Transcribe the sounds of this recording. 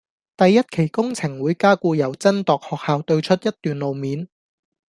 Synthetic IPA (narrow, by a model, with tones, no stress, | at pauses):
t̪ɐ˨jːɐ˥t̚kʰe˨˩jkʊ˥ŋt͡sʰɪ˨˩ŋwuː˨˧jkaː˥kuː˧jɐ˨˩wt͡sɐ˥nt̪ɔː˨k̚hɔː˨k̚haː˨˧wt̪ɵ˧ɥt͡ʃʰɵ˥t̚jɐ˥t̚t̪ːyː˨nlo˨wmiː˨˧n